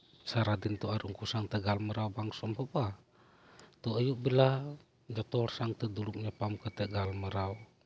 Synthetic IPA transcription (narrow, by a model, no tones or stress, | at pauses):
saɾad̪int̪ɔaɾuŋkusaŋt̪ɛɡalməɾaubaŋsɔmpɔpa | t̪ɔəjuʔbila | d͡ʒɔt̪ɔrsaŋt̪ɛd̪ulukɲapamkət̪ɛɡalməɾau